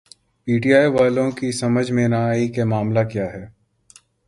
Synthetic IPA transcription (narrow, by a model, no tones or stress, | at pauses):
piːʈijaːiʋaːlõkisɐməd͡ʒʱmẽnaaːikemaːmlakjaːɦɛː